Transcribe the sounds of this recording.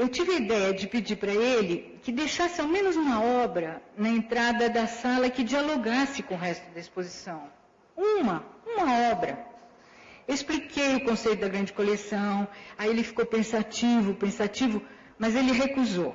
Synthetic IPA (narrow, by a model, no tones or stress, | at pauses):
ewt͡ʃivɪɐid̪ɛjɐd͡ʒɪpɪd͡ʒiɾpɾɐelɪ | kɪd̪ejʃasɪawmẽnʊzũmɐɔbɾɐnɐẽnt̪ɾad̪ɐd̪ɐsalɐkɪd͡ʒialoɡasɪkõʊɦɛst̪ʊd̪ɐispozisɐ̃w̃ | ũmɐũmɐɔbɾɐ̰ | esplikejʊkõsejt̪ʊd̪ɐɡɾɐ̃nd͡ʒɪkolesɐ̃w̃aielɪfi̥kowpẽsat͡ʃivʊpẽsat͡ʃivʊ | mɐzelɪɦekuzo